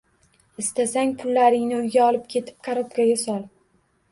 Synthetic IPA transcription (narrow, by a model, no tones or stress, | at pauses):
ɪst̪asaŋʲpʰʊlːaɾɪŋnɪʊjɡʲaɒlˠɪp̚kʲʰe̞t̪ʰɪ̥p̚kʰaɾɒt̪kʲaɡʲasɒlˠ